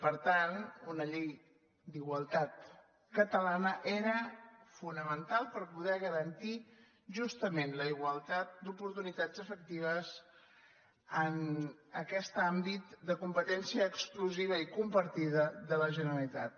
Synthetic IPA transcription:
pəɾt̪anunəʎej | d̪iɣwəlˠt̪at̪ | kət̪əlanəʔeɾəfunəmənt̪alˠpəɾpuðɛɣəɾənt̪i | ʒust̪əmenləiɣwəlˠt̪at̪̚d̪upuɾt̪unit̪ad͡zəfək̚t̪iβ̞əs | ənəkɛst̪ambit̪d̪əkumpət̪ɛnsiəːkskluziβ̞əikumpəɾt̪iðəðələʒənəɾəlit̪at̪̚

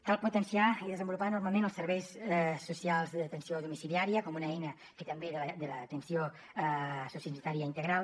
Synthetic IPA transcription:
kalˠput̪ənsiaiðəzəmbulupanuɾmalˠmẽnəlˠsəɾβɛjsɛsːusialˠzðət̪ənsioðumisiliaɾiəkɔmunəɛjnə | ket̪əmbeðələd̪ələt̪ənsio | susinit̪aɾiəint̪əɣɾalˠ

